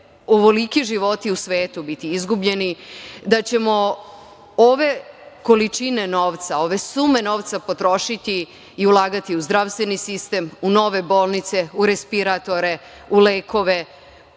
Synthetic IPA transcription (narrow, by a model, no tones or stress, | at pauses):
oʋolikiʒiʋo̞t̪iusʋe̞ːt̪ubit̪iizɡubʎe̞nid̪at͡ɕe̞mo̞ | oʋe̞ko̞lit͡ʃine̞no̞ːʋt̪sao̞ʋe̞sume̞no̞ːʋt̪sapo̞t̪ɾo̞ʃit̪iː | ulˠaːɡat̪iuzd̪ɾaʋst̪ʋenisist̪e̞muno̞ʋe̞bo̞ːlˠnit̪se̞uɾe̞spiɾat̪o̞ɾe̞ | uleːkʰo̞ʋe̞